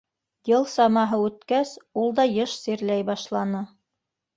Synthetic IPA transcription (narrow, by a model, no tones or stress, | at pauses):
jɤlˠsɑmɑɦɤʉt̪kæsulˠd̪ɑjɤʃsiɾlæjbɑʃlˠɑnɤ